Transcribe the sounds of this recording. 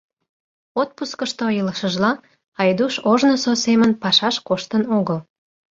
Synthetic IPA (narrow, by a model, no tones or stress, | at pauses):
ot̪̚puskəʃt̪oiləʃəʒlɑ | ɑjd̪uʃoʒnososemənpɑʃɑʃkoʃt̪ənoɣəl